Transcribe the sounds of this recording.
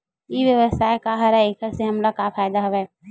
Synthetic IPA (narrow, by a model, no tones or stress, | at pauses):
jiʋjəʋəsaːekaɦəɾɛekʰəɾseɦɐmlakapʰaɪd̪aɦoʋɛː